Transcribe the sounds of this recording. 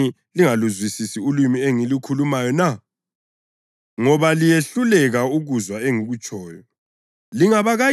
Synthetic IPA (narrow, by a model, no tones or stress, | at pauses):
i | liŋaluzwisisiulwimieŋilukʰulumajɔna | ŋɔβalijeɬulɛɣauɣuzwaeŋuɣut͡ʃʼɔːjɔ | liŋaβaɣa